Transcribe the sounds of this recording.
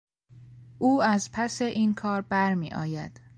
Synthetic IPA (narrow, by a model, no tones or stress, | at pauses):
ʔuːæzpʰæse̞ʔiːnkʰɒːɾbæɾmiːʔɒ̰ːjæ̰d̪̥